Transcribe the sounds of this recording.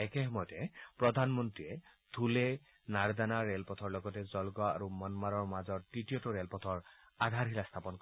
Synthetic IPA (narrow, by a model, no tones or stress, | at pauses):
ɛkɛxɔmɔjɔtɛpɹɔd̪ʱanmɔntɹiɛ | t̪ʰulɛ | naɹdanaɹɛlpɔt̪ʰɔɹlɔɡɔtɛzɔlɡɔaa̰ɹumɔnmaɹɔɹmazɔɹtitijɔtɔɹelpɔt̪ʰɔɹ | ad̪ʱaɹɦilast̪ʰapɔnkɔ